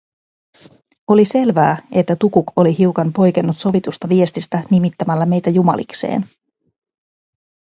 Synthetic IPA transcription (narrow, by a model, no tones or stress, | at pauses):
o̞lise̞lʋæːʔe̞t̪ːæt̪ukuko̞liɦiukɑnpo̞jkenːut̪so̞ʋit̪ust̪ɑʋie̞st̪ist̪ænimit̪ːæmælːæme̞jt̪æjumɑ̰lḭkse̞̰ːn